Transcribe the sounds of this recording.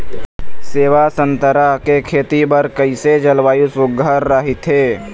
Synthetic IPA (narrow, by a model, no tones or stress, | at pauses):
seːʋasə̃nt̪əɾakekʰeːt̪ibəɾkəised͡ʒəlwaːjusʊɡəɾːaɦit̪ʰɦeː